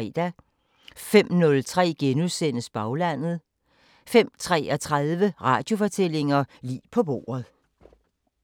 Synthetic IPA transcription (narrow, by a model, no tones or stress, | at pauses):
ɛ̰d̥æ | fem̰nɔ̽lt͡sʰʁɛ̰ːɡ̥enuðˠsen̰əsb̥ɑ̈ʊlæn̰ð̞̩ˠ | fem̰t͡sʰʁɛ̰ːɒt͡sʰʁaðˠʋəʁɑ̈ːd̥jo̝fɒ̽t͡sʰel̰e̝ŋɐlḭːpʰɒ̽b̥o̝̰ːɐð̩ˠ